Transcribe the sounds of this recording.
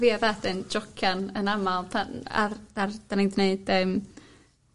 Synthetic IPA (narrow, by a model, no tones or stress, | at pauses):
viavɛθɨnd͡ʒɔkʰjanənamalˠtʰaa̰rd̥ard̥anindneɨd̥əm